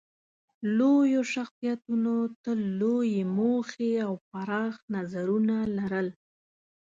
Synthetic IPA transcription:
lojoʃaxsijat̪unot̪əlːojemoxeawpaɾɑxnazaɾunalaɾəl

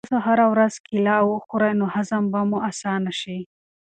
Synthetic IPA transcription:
soɦaɾawɾazkɪlɑwəxoɾajnohazambamuʔasɑnaʃi

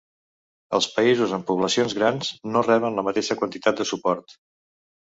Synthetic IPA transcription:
ə̰lˠspəizuzəmpuβləsionzɣɾanz̥norɛβənləmət̪eʃəkwənt̪it̪at̪̚d̪əsupɔɾt̪

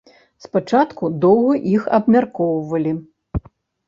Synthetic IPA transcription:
spat͡ʂat̪kud̪ɔwɣɐʔixɐ̰bmʲarkɔwvɐlʲi

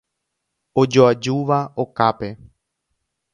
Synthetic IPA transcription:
od͡ʒoad͡ʒuʋao̞kape̞

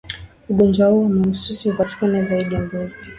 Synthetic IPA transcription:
uɡɔnd͡ʒwahuɔamaususihupati̥kanazaiɗiambɔzi

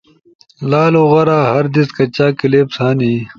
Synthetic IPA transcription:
laːluɣɐɾaːɦɐɾd̪iskɐt͡ɕaːkileːpsaːniː

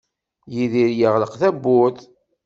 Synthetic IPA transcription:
jiðiɾjəʁləqθæbːʊð

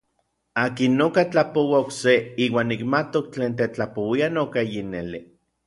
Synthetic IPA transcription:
aːkinːokat͡ɬapowaokseiːwaːnːikmat̪ok̚t͡ɬeːnt̪̬et͡ɬapowianokajineli

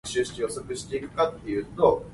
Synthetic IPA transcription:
ɕɨːɕi̥t͡ɕijosokɯ̟ɕi̥t̪e̞ikɯ̟̥kat̪ːe̞jɯ̟ːt̪o

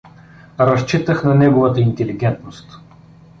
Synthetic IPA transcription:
ɾɐst͡ʃit̪əxnɐnɛɡovət̪əint̪ɛliɡʲɛnt̪nost̪

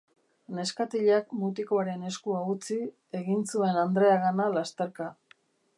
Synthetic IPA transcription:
ne̞skat̪iʎakmut̪ikoaɾe̞ne̞skuaut͡si | e̞ɣinsue̞nand̪ɾe̞aɣanalast̪e̞ɾka

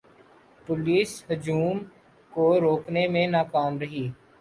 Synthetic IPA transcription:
pʊliːsɦʊd͡ʒuːm | koɾoːknemẽnaːkaːmɾɐɦiː

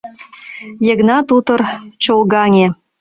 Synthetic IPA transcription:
jə̆ɡnɑt̪ut̪ɤ̆rt͡ɕolɣɑnʲe

